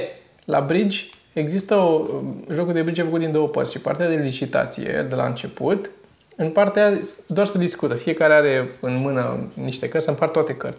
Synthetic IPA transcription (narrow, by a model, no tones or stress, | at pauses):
la̰bɾid͡ʒʲ | e̞ɡzist̪əoʒo̞kud̪e̞bɾid͡ʒafəkut̪d̪ind̪o̞wəpərt̪sʲʃipa̰rt̪ead̪e̞lit͡ʃit̪a̰t̪sḭjḛd̪ela̰ɨnt͡ʃe̞put̪ | ɨnpart̪easd̪oarsəd̪iskut̪əfije̞kaɾeaɾe̞ɨnmɨnə̰niʃt̪e̞kərt̪saɨmpart̪oat̪e̞kərt̪sʲ